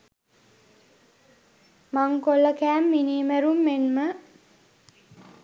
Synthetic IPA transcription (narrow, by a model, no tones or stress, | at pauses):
maŋkolːəkæːmːiniːməɾumːenmə